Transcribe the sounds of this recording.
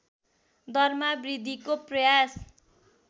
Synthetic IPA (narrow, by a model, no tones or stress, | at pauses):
d̪ʱʌrmabrid̪ʱikoprʌjas